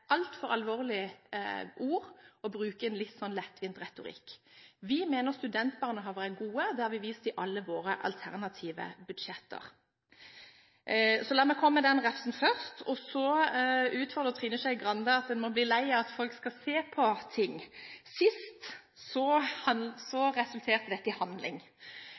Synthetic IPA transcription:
ʔɑlt̪fɔɾɑlʋoːʁlɪ | ʔuːɾɔbɾʉːkəɛnlɪt̪ːsɔnlɛt̪ːʋɪnt̪ʁɛt̪ʊɾɪ̰kːʋɪmeːnəʁst̪ʉd̪ɛnt̪bɑːʁnəɦɑʋʁɛɡuːəd̪ɛhɑːʋɪʋiːst̪ɪʔɑlːəʋoːɾəʔɑ̰lt̪ʰæʁnɑt̪ʰiːʋə̰bʉd̪ʃɛt̪ːə̰ʁ | sɔlæːmɛkʰɔmːəd̪ɛnʁɛfsn̩fœʁst̪ʰɔsɔ | ʉːt̪fɔʁd̪əʁt̪ʰʁiːnəsæɪɡʁɑnd̪əɑt̪̚d̪ɛnmɔbliːlæɪəɑt̪fɔlkskɑseːpʰɔt̪ʰɪŋsɪst̪ | sɔhɑsɔʁɛsʉlt̪ʰeːʁt̪əd̪ɛt̪ːɪhɑnd̪lɪ̰ŋ

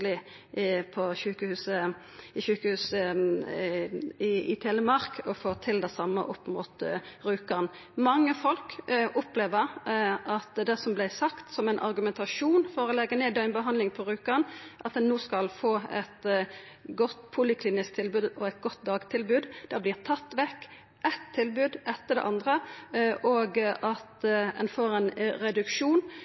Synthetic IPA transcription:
lɪ | pʰɔʃʉːkəhʉːsə | ɪʃʉːkəhʉːsə | ɪɪt̪ʰeːləmɑʁkʰɔfoːʁt̪ʰɪld̪æsɑmːə̰ʔɔpːmṵːt̪ʁʉːkəʁn | mɑŋːəfɔlkʔʊpleːʋəʁʔɑt̪d̪ɛsɔmblæɪsɑkt̪sɔmæɪnʔɑ̰ʁɡʉmɛnt̪ʰɑʂuːnfɔɾɔlɛɡːəneːd̪ɛɪnbəɦɑnd̪lɪŋpʰɔɾʉːkəʁnʔɑt̪̚d̪ɛnːuːskɑlfoːɛ̰t̪ | ɡɔt̪ːpʰʊlɪkʰliːnɪskt̪ʰɪlbʉːd̪ɔɛɪt̪̚ɡɔt̪d̪ɑːɡt̪ʰɪlbʉːd̪d̪̥ɛblɪːʁt̪ʰɑt̪ːʋɛkː | ʔɛt̪ʰːɪlbʉːd̪ʔɛt̪ːəd̪ɛ̰ʔɑnd̪ʁəʔoːɡʔɑt̪ɛ̰nfoːʁɛnʁɛd̪ʉkʃuːn

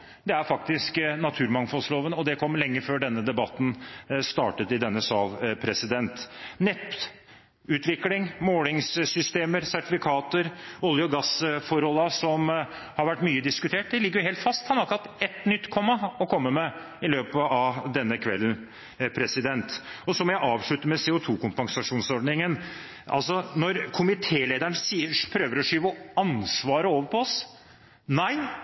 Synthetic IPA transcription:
d̪ɛæɾfɑkt̪ɪsknɑt̪ʰʉːɾmɑŋfɔlsloːʋənɔd̪ɛkʰɔmːlɛŋːəføːɖɛnːəd̪ɛbɑt̪ːn̩st̪ɑ̰ːʈət̪ɪd̪ɛnːəsɑːlpʰɾɛsɪd̪ɛnt̪nɛp | ʉːt̪ʋɪklɪŋmoːlɪŋssʏst̪eːməɾsæʈɪfɪkʰɑːt̪əɾʊljʊɔɡɑsfɔɾhɔlːɑsɔmhɑɾʋæʈːmyːəd̪ɪskʉt̪ʰeːʈ̚d̪ɛlɪɡːəjʊheːlt̪fɑst̪hɑnɑɾkɾɑt̪ɛt̪nʏt̪ːkʰɔmːɑɔkʰɔmːəmɛ | ɪløːpəɑʋd̪ɛnːəkʰʋɛ̰ln̩ | pʰɾɛsɪd̪ɛnt̪ɔsɔmɔjæɪʔɑːʋʂɭʉt̪ːəmɛseːʊt̪ʰuːkʰʊmpɑŋsɑʂuːnsɔɖnɪŋən | ʔɑ̰lsɔnɔɾkʰʊmɪt̪ʰeːleːd̪æɳəsiːəpʰɾøːʋəɾɔʂyːʋɔɑnsʋɑːɾəoːʋəɾpʰɔɔs | næɪ

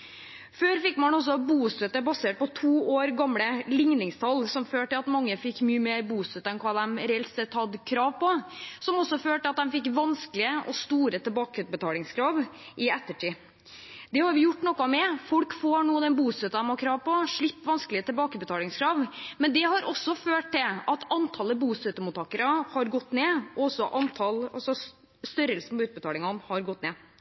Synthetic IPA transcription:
føːɾfɪkːmɑnɔs̬ɔbuːsœt̪ːəbɑseːʈ̚pɔt̪ʰuːoːɾɡɑmləlɪŋnɪŋst̪ʰɑlsɔmføːʈəɑt̪mɑŋːəfɪkːmyːəmeːɾbuːst̪œt̪ːəɛnkʰɑːd̪ɛmɾɛːlt̪sɛt̪ːhɑd̪kʰɾɑːʋpɔsɔmɔsːɔføːlʈəɑt̪̚d̪ɛmfɪkːʋɑnskəlɪəʔɔst̪uːɾət̪ʰɛlbɑːkəbət̪ʰɑːlɪŋskʰɾɑːʋ | ʔɪɛt̪ːəʈʰiː | d̪ɛhɑɾʋɪjʊʈːnɔkːɑmɛfɔlkfoːɳuːəd̪ɛnbuːsɛt̪ːɑd̪ɛmɑkʰɾɑːʋpɔʂɭɪpːʋɑnskəlɪət̪ʰɛlbɑːkəbət̪ɑːlɪŋskʰɾɑːʋmɛnd̪ɛhɑɾʔɔsːɔføːʈ̚d̪ɪlɑt̪ʰɑnt̪ʰɑlːəbuːsɛt̪ːəmʊt̪ʰɑːkəɾɑhɑɾɡɔt̪ːneːɔɔsɔʔɑnt̪ʰɑlɑ̰lsɔ | st̪œɾəlsn̩pɔʉːt̪̚bət̪ɑːlɪŋɑnhɑɾɡɔt̪ːneː

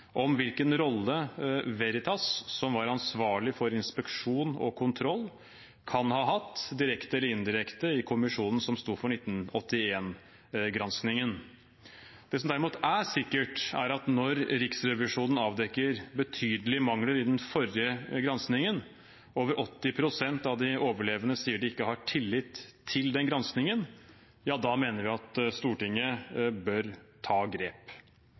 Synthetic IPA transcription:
ʔɔmʋɪlkənɾɔlːəʋɛɾɪt̪ʰɑsːɔmʋɑɾɑnsʋɑːɭɪfɔɾɪnspɛkʂuːnɔ̰kʰʊnt̪ʰɾɔlː | kʰɑnhɑːɦɑt̪ːd̪ɪɾɛkt̪əɛlːəɾɪnd̪ɪɾɛkt̪əɪkʰʊmɪʂuːnən̩sɔmst̪uːɾfɔɳɪt̪ːnɔt̪ːɪeːn | ɡɾɑnsknɪŋən | d̪̥ɛːsɔmd̪æɾɪmuːt̪æsɪkːəʈæ̰ɾɑt̪nɔɾɾɪksɾɛʋɪʂuːnən̩ɑːʋd̪ɛkːəɾbət̪ʰyːd̪əlɪmɑŋləɾɪd̪ɛnfɔɾjəɡɾɑnsknɪŋən | ʔoːʋəɾʔɔt̪ːɪpʰɾʊsɛnt̪ɑʋd̪ɪoːʋəɭeːʋənəsiːəɖɪɪkːəhɑʈʰɪlːɪt̪ʰːɪld̪ɛnɡɾɑnsknɪŋən | jɑːd̪ɑmeːnəɾʋɪɑt̪st̪uːʈɪŋːəbœɾt̪ʰɑːɡɾeːp

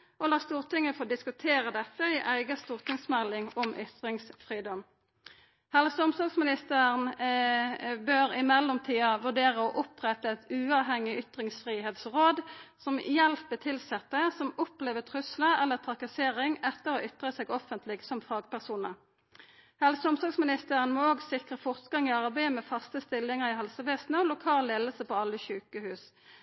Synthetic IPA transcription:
ʔɔlɑːst̪uːʁt̪ɪŋːəfod̪ɪskʉt̪ʰeːʁəd̪ɛt̪ːəɪʔæɪɡəst̪uːʁt̪ʰɪŋsmɛlːɪŋɔmʔʏt̪ʁɪŋsfʁiːd̪ɔm | hɛlsɔmsɑːɡsmɪnɪst̪ən | bøːɾɪmɛlːɔmt̪ʰiːəʋʉʁɖeːʁəɔʔʊpʁɛt̪əɛt̪ʉːɑːʋɦɛŋɪʏt̪ʁɪŋsfʁiːɦeːt̪sʁoːd̪sɔmjɛlpət̪ʰɪlsɛt̪ːəsɔmɔpleːʋət̪ʰʁʉsləʔɛlːət̪ʰʁɑkɑseːʁɪŋɛt̪ːəʁɔʔʏt̪ʁəsɛːɡɔfənt̪ʰlɪɡsɔmfɑːɡpæʁsuːnə̰ʁ | hɛlsʊmst̪ɑːɡsmɪnɪst̪əʁənmɔoːɡsɪkʁəfɔʁt̪ɡɑŋɪɑʁbæɪəmɛfɑst̪əst̪ɪlːɪŋəʁɪɦɛlsəʋeːsnəɔlʊkʰɑːlːeːləsəpɔɑlːəɕʉːkəhʉːs

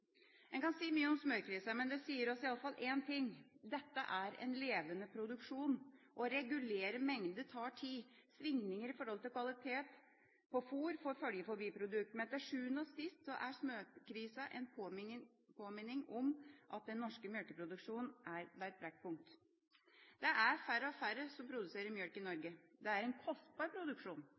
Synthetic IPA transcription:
ɛnkɑnsiːmyːəɔmsmøːkʰɾiːsəmɛnd̪ɛsiːəɾɔsɪɑlːəfɑlːʔeːnt̪ʰɪŋd̪ɛt̪ːəʔæɾɛ̰nleːʋənəpʰɾʊd̪ʉkʂuːnʔɔɾɛɡʉleːɾəmɛŋd̪ət̪ʰɑːʈʰisʋɪŋnɪŋəɾɪfɔɾhɔlt̪ɪlkʰʋɑlɪt̪ʰeːt̪ | pʰɔfuːɾfɔɾfœljəfɔɾbiːpʰɾʊd̪ʉk̚t̪mɛt̪æʂʉːənɔsɪst̪sɔʔæʂmøːkʰɾiːsəʔɛnpʰo | pʰoːmɪnːɪŋɔmʔɑt̪̚d̪ɛnːɔʂkəmjœlkəpʰɾʊd̪ʉkʂuːnn̩ʔæɾʋ̪æɛt̪̚bɾɛkt̪̚pʊŋk̚t̪ | d̪ɛʔæɾfæɾːəɔfæɾəsɔmpʰɾʊd̪ʉseːɾəɾmjœɽkɪnɔɾɡəd̪ɛæɾɛnkʰɔst̪̚bɑːɾpʰɾʊd̪ʉkʂuːn

